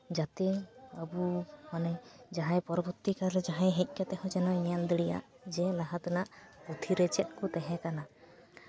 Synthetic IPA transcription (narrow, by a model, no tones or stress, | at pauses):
d͡ʒat̪ɛəbumanɛd͡ʒaɦãjpɔɾɔbuɾt̪ikalɛd͡ʒaɦãjɦɛc̚ˀkɛt̪ɛhɔ̃d͡ʒɛnɔjɛald̪əɽija̰ʔ | d͡ʒɛlaɦat̪anaʔput̪ʰiɾɛt͡ʃɛt̪̚ˀkut̪ɛɦɛ̃kana